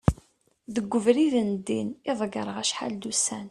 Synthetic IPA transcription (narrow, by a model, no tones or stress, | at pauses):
ðəɡʷːəvɾiðənd̪ːinɪðˤɡɑɾˤəʁæʃħa̰ld̪usæn